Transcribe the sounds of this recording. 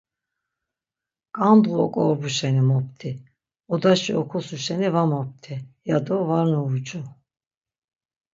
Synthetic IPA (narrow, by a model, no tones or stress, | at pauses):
kʼand̪ʁuɔkʼɔɾbuʃɛnimɔp̚t̪ʰi | ɔd̪aʃiɔkʰusuʃɛnivamɔp̚t̪ʰijad̪ɔvaɾnuvut͡ʃʼu